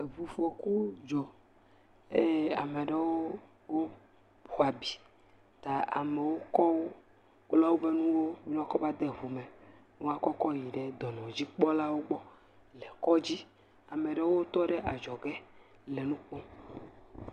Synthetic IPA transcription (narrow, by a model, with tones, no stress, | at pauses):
e˨vu˨fɔ˨ku˦d͡ʒɔ˨ | e˦a˨me˨ɖe˦wo˦ | wo˦ | bo˨a˨bi˨ | t̪a˨a̰˨me˨wo˦kɔ˦wo˦ | kla˦wo˦be˦nũ˦wo˦mi˦ñ˦a˦kɔ˦va˦d̪e˦ɦu˨me˨ | nũ˦a˦kɔ˦kɔ˦ji˨ɖe˦d̪ɔ˨nɔ̃˨d͡ʑi˦k͡pɔ˦la˦wo˦ɡ͡bɔ˦ | le˨kɔ˦d͡ʑi˦ | a˨me˨ɖe˦wo˦t̪ɔ˦ɖe˦ʔa˨d͡ʒɔ˨ɡe˦ | le˨nũ˦k͡pɔ̃˦